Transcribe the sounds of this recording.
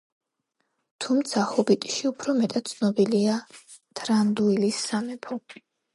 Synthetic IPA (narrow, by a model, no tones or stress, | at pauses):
t̪ʰumt̪sʰahɔbit̪ʼi̥ʃiupʰɾɔmɛt̪ʼat̪̚t̪sʰnɔbilia | t̪ʰɾand̪uilisːamɛpʰɔ